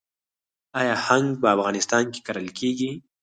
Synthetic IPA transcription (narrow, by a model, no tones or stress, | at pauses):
ɑjɑhaŋɡpəafɣɑnɪst̪ɑnke̥kaɾəlkeɡi